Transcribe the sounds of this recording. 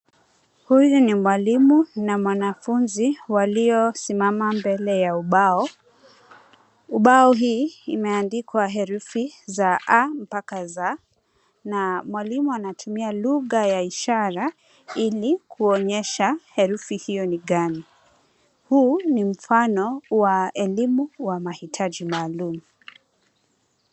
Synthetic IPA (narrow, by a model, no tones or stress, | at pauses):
hujunimwalimunamwanafunziwaliɔsimamambɛlɛjauɓaɔ | uɓaɔɦiːmɛandikwaɦɛɾufizaʔam̩pakaza | namwalimuanatʰumialuɣajaiʃaɾa | ilikʰuɔɲɛʃahɛɾufihijɔniɠani | huːnim̩fanɔwaɛlimuwamahitʰaʄimaːlumu